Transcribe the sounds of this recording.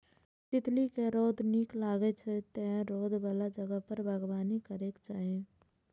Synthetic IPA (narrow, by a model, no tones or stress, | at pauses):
t̪ɪt̪likeɾoːd̪ʱniːklaːɡet͡ʃʰɛt̪ɛ̃ɦɾoːd̪ʱbəlad͡ʒəɡəpəɾbʱəɡbaːnikəɾekt͡ʃaːɦẽ